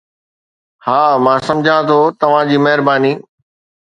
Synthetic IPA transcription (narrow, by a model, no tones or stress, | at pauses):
haːmãːsɐ̃md͡ʑʱãt̪ʰot̪ɐʋ̤ãd͡ʑiːmɐɦɪɾbaːniː